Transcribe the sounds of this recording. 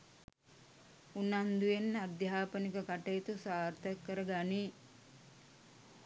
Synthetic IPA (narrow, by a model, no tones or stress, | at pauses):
unand̪ujenːad̪jaːpənikəkaʈejit̪usaːrt̪əkːəɾəɡani